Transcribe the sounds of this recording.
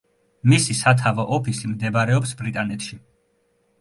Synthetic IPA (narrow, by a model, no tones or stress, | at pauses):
misisat̪ʰavɔʔɔpʰisimd̪ɛbaɾɛɔpsbɾit̪ʼanɛt̪ʃi